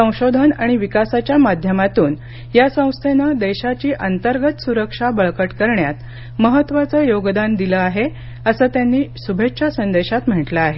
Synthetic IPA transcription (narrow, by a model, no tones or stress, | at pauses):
ə̃w̃ɕod̪ʱənaɽ̃iʋikasat͡ɕjamad̪ʱjəmat̪uːn | jasə̃w̃st̪ʰenəd̪eɕat͡ɕiːʔənt̪əɾɡət̪suɾəkʂabəɭkəʈkəɾɳjat̪ | məɦət̪ʋat͡səːjoɡd̪and̪iləaɦe | əsəːt̪janːiːsubʱetʂʰasənd̪eɕat̪m̤əʈləaɦe